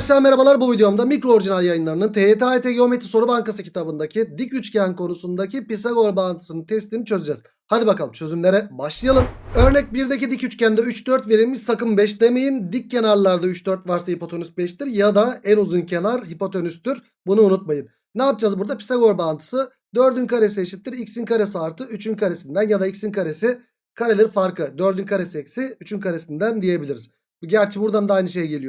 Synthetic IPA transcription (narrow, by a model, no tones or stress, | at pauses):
aʃlˠame̞ɾabalˠaɾbuvid̪eo̞md̪amikɾo̞oɾʒinaljajɯnlˠaɾɯnɯnt̪ʰeet̪ʰiat̪ʰeɟio̞met̪ʰiso̞ɾubaŋkasɯcʰi̥t̪ʰabɯnd̪acʰid̪icyt͡ʃcʰænkʰo̞nusund̪acʰipisaɡo̞ɾbaːnt̪ʰɯ̥sɯnɯnt̪ʰɛslʲinit͡ʃʰøzyd͡ʒɛz̥ | had̪ibakalˠɯmt͡ʃʰø̞zymlʲeɾɛbaʃlˠɯjalˠɯmø̞ɾnɛc̚biɾd̪ecid̪icyt͡ʃcænd̪ɛyt͡ʃd̪øɾt̪ve̞ɾimiz̥sakɯmbɛʃd̪eme̞jind̪ic̚ːe̞naɾlˠaɾd̪ayt͡ʃd̪øɾt̪vaɾsahipo̞t̪ʰo̞nys̚bɛʃt̪iɾjad̪aænuzuncʰe̞naɾɦipo̞t̪ʰo̞nyst̪yɾ | bunuːnut̪̚majɯnːaːp̚d͡ʒazbuɾd̪apʰi̥saɡo̞ɾbant̪ʰɯ̥sɯ | d̪øɾd̪ynkʰaɾeseːʃit̪ʰːiɾicʲsinkʰaɾes̬iaɾt̪ʰɯyt͡ʃʰynkʰaɾe̞sind̪ænjad̪aicsinkʰaɾe̞si | kʰaɾelʲiɾfaɾkʰɯd̪øɾd̪ynkʰaɾesecsiyt͡ʃʰynkʰaɾe̞sind̪ænd̪ije̞bilʲiɾiz̥ | buɟæɾt͡ʃʰibuɾd̪and̪aajnɯʃejɟe̞lʲijo